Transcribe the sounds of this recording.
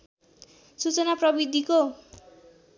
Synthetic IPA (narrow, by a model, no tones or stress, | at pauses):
sut͡sʌnaprʌbid̪ʱiko